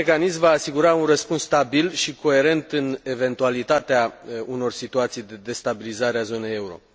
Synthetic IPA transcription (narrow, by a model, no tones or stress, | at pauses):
ekanismvaːsiɡuɾaunrəspunst̪abilʃiko̞e̞ɾe̞nt̪ɨne̞ve̞nt̪ualit̪at̪eauno̞rsit̪uat̪sijd̪e̞d̪e̞st̪abilizaɾeazo̞ne̞je̞uɾo̞